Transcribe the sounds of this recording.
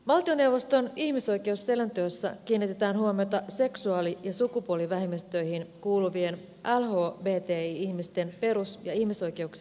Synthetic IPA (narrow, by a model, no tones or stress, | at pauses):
mɑlt̪ione̞wʋo̞st̪o̞nihmiso̞jkeusːelænt̪øːsːæ̰kiːnːit̪e̞t̪æːnɦuomiot̪ɑse̞ksuɑːlijɑsukupuoliʋæɦimːist̪ø̞ihinkuːluʋie̞n | ʔælɦo̞ːbeːt̪eːiiçmist̪e̞npe̞ɾusjɑihmiso̞jk̟e̞uks